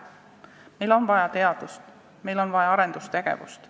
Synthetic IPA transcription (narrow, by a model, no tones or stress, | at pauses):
me̞jlo̞nvɑjɑt̪e̞ɑd̪̥ust̪ | me̞jlo̞nvɑjɑɑɾe̞nd̪̥ust̪e̞ɡ̥e̞̰vṵst̪